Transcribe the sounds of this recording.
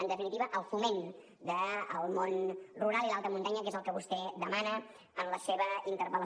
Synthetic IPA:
ənd̪əfinit̪iβəʔəlˠfumen | d̪əːlˠmonruɾalˠilalˠt̪əmunt̪aɲəkezəlˠkəβust̪ɛd̪əmanə | ənləseβəint̪əɾpələ

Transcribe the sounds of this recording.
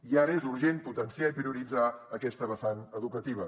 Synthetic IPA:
iaɾəezuɾʒenput̪ənsiaipɾiuɾid͡zaəkɛst̪əβəsanəðukət̪iβ̞ə

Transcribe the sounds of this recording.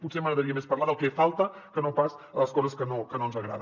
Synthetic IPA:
putseməɣɾəðəɾiəmespɐɾlaðəlˠkɛfalˠt̪əkənopasələskɔzəskənokənonzəɣɾa̰ðə

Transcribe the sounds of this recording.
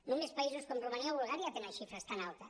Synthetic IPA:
nũmespais̬ʊskomrumaniaoβulɣaɾjɐt̪eŋaʃifɾɐst̪analt̪ɐ

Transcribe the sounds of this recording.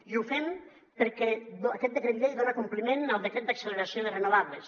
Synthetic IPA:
iufɛm | peɾkɛdakɛt̪̚d̪ekɾeβiʎejðonakumplimenəlˠd̪ekɾet̪̚d̪akseleɾasijoðerenuβaβles

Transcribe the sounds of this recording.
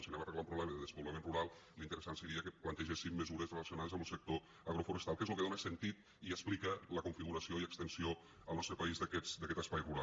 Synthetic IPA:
səneməreɣlaũpɾuβlɛməðəðzəmbuləmẽnruɾalˠlint̪əɾəsansəɾiəkəplənt̪əʒesimːəzuɾəzreləsijonaðezəməlˠsək̚t̪o | əɣɾofuɾəst̪alˠkezlukeðonəsənt̪it̪ | iəsplikələkuɱfiɣuɾəsioiəkst̪ənsio | əlˠnɔst̪ɾəpəizðəkɛt̪d̪əkɛt̪əspajruɾa

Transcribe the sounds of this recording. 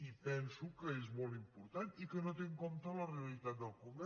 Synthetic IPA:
ipɛnsukəezmolˠt̪impuɾt̪anikənot̪eŋkomt̪ələreəlit̪at̪̚d̪əlˠkund̪ɛ

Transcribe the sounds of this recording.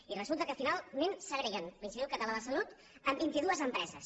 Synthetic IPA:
irəzulˠt̪əkəfinalˠnensəɣɾeənlinsiðiuwkət̪əlaðəsəlut̪ | əmbint̪iðuəzəmpɾɛzəs

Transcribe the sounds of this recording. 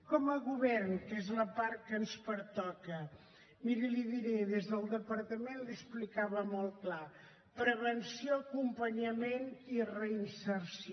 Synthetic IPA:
kɔməɣuβɛrnkezləpaɾkːənspəɾt̪ɔkə | miɾəliðiɾeðezðəlˠd̪əpəɾt̪əmenlisplikaβəmɔlˠt̪kla | pɾəβənsioəkumpəɲəmenirəinsəɾs

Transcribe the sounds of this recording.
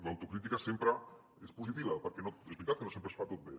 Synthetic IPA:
ðawt̪ukɾit̪ikasempɾɐ | espusit̪iβɐpəɾkenoezβɾit̪at̪kənosempɾəsfat̪ot̪̚be

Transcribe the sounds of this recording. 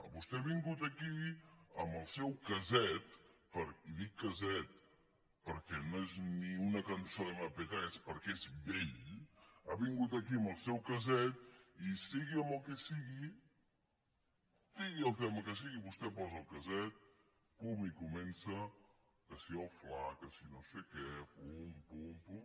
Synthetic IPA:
βust̪ɛaβiŋɡut̪əkiəmbəlˠsɛwkəzɛt̪pəɾiðikːəzɛt̪̚ | pəɾkɛnoezniunəkənsoðəmapet̪ɾɛspəɾkɛezβeʎ | aβiŋɡut̪əkiəmbəlˠsɛwkəzɛt̪isiɣiəməlˠkɛsiɣi | d̪iɣiəlˠt̪ɛməkəs̬iɣiβust̪ɛpɔzəːlˠkəzɛt̪̚ | pumikumɛnsə | kəsiɔwflakəsinosekɛpuːmpumpu

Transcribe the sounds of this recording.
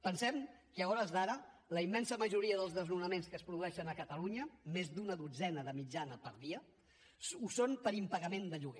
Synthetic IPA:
pənsɛmkəəɣɔɾəzðaɾələimːɛnsəməʒuɾiəðəlˠzðəznunəmenskəːspɾuðuɛʃənəkət̪əluɲəmezd̪unəðud͡zɛnəðəmid͡ʒanəpəɾðiə | usonpəɾimpəɣəmend̪əʎuɣɛ

